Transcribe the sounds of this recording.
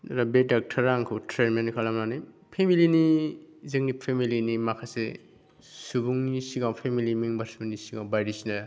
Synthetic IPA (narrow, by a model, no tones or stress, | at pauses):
ɾabedak̚tʰaɾaŋkʰɯtʰɾeɾmenkʰalamnani | pʰemilinizɯŋipʰemilinimakʰasḛ | subuŋnisiɡawpʰemilimiŋbaɾsmenisiɡawbajɾisina